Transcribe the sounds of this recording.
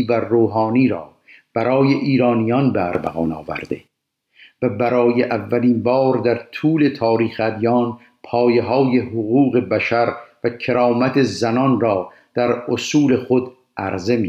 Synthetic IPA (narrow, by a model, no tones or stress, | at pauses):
væroːɦɑːniːɾɒ̰ː | b̥æɾɒːje̞ʔiːɾɒːnijɒnbḛɾbæ̰ɣɒːnɒ̰ːvæ̰ɾd̪ḛ | væbæɾɒːjeʔævːæliːnbɒːɾd̪æɾt̪ʰuːle̞t̪ʰɒːɾiːxæd̪ijɒːn | pʰɒːje̞ɦɒːje̞hɦoɣuːɣe̞bæʃæɾvækʰe̞ɾɒːmæt̪ʰe̞zænɒnrɒː | d̪̥æɾosuːle̞χod̪ | ʔæɾze̞mi